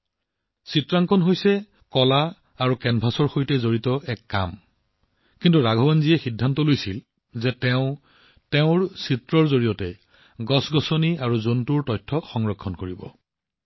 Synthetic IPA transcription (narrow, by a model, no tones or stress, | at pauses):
sitɹaŋkʰɔnɦojsɛ | kɔla | aɹukɛnbʱasɔɹxojtɛzoɹitɔʔɛkːa̰m | kintuɹaɡʱɔbanziɛxidʱːantɔlojsil | zɛtɛʊ̃ | tɛʊ̃ɹsitɹɔɹzoɹijɔtɛ | ɡɔsɡɔsɔniaɹuzontuɹtɔjtʰːɔxɔŋɹɔkʰːɔnkoɹibɔ̰